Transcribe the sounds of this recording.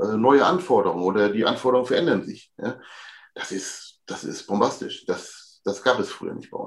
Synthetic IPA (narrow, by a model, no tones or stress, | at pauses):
ʔɛːnɔʏəʔanfɔɐdəʁʊŋənʔoːdɐdiːʔa̰nfɔːɐɾəʁʊŋn̩fɛɐʔɛndɐnzɪçja̰ːd̥asɪstd̥asɪ̰stb̥ɔmbastɪʃd̥as | d̥asɡ̥aːpɛsfʁ̥y̰ːɐ̰nɪçtb̥aɪʔʊ̰n